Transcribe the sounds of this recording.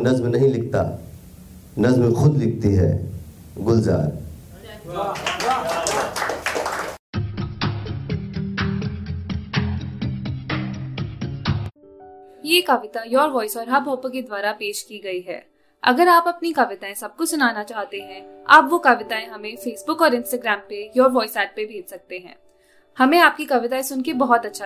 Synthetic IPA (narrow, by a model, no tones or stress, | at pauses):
nɐzmnɐɦĩlɪk̚ʰt̪a̰ː | nɐzmẽxʊd̪lɪk̚ʰt̪iɦɛ̰ː | ɡʊlza̰ːɾ | jeːkɐʋɪt̪ajɔːɾʋɔːɪsɔːɾɦɐbʱɔːpəked̪waːɾapeːʃkiɡɐiɦɛ̰ː | ɐ̰ɡəɾaːpɐpnikɐʋɪt̪aẽsɐb̚kosʊnaːnat͡ʃaːɦt̪eɦɛ̃a̰ːpʋokɐʋɪt̪aẽɦɐmẽfeːsbʊkɔːɾɪ̃nsʈaːɡɾɛːmpejɔːɾʋɔːɪsɛːʈ̚pebʱeːd͡ʒsɐk̚t̪eɦɛ̰̃ː | hɐmẽaːp̚kikɐʋɪt̪aẽsʊnkebɐɦɔt̪ɐtːʃʰa